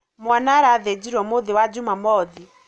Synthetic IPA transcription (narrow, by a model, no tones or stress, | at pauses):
mwanaɾaðed͡ʒiɾɔmoðewad͡ʒumamɔði